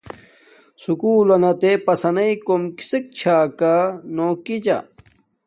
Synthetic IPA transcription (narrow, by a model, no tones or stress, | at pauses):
sukuːlɐnɐt̪epɐsɐnɐikomki̥sek̚t͡ɕʰaːkanokid͡ʑa̰